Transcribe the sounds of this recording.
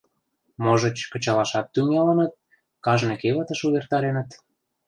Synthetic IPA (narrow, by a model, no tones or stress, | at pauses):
moʒə̆t͡ɕkə̆t͡ɕɑlɑʃɑt̪ːyŋɑlənət̪̚ | kɑʒnekeβət̪ə̆ʃuβert̪ɑɾenət̪